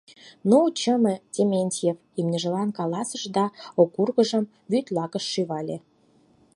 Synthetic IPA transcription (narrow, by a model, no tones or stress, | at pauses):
noot͡ɕəmətʲemʲenʲtʲjefimnʲəʒə̆lɑnkɑlɑsəʒd̪ɑokurɣəʒəm | βyt̪ʲlɑɣəʃːyβɑlʲe